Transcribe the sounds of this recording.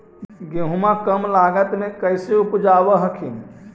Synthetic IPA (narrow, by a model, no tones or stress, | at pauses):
ɡeɦumãkəmlaɡət̪mekəjseupd͡ʒabəɦəkʰin